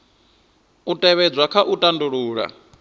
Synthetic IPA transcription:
utʼɛβɛd͡zʷwakʰaʔutʼanduɺuːɺa̰

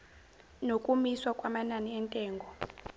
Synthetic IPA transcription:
nokʼumiswakʼwamananiɛntʼɛːŋɡʱɔ

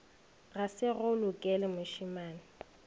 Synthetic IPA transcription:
ɣasɪɣʊlʊkʼɛlɪmʊʃimaːnɪ

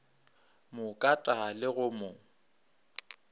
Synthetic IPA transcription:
mʊkʼatʼalɪɣʊmʊ

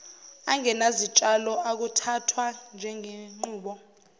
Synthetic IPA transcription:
aŋɛnazit͡ʃʼalɔʔak̬utʰatʰwand͡ʒʱɛŋeŋ͡ǃuːɓɔ

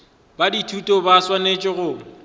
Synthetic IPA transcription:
baditʰutʼɔbaswanet͡ʃʼɪɣʊ

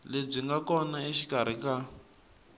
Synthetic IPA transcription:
leb͡ʐiŋɡakɔnaiʃikaɾ̤ika

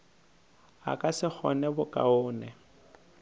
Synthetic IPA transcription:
a̰kʼasɪk͡xʰɔ̰nɛbʊkʼa̰ʊːnɛ

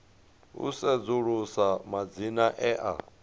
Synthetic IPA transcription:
ṵsɛd͡zuɺusamad͡zinaʔɛʔa̰

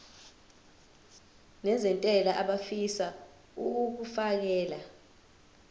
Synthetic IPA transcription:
nɛzɛntʼɛlaʔaɓafisa | uk̬ufak̬ɛːla

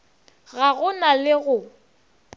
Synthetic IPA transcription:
ɣaɣʊnalɪɣʊ

